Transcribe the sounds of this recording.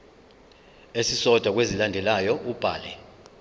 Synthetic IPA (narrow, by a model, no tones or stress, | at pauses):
esisɔd̥ʱwak̬wezilandʱɛlajɔub̥ʱa̰ːlɛ